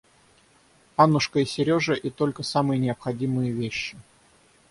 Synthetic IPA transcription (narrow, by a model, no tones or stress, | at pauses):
anʊʂkəɪsʲɪɾʲo̞ʐəʔit̪o̞lʲkəsamɨjənʲɪɐpxɐdʲimɨjəvʲeɕːɪ